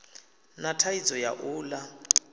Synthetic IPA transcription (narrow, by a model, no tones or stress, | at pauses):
natʰaid͡zɔja̰ʔuːla